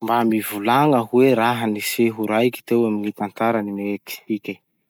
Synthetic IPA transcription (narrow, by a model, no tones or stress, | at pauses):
mbamivulaŋəɦuweɾaɦəniseɦuɾajkʲi̥t̪ewaminit̪ant̪aɾanimeek̪i̥ikʲə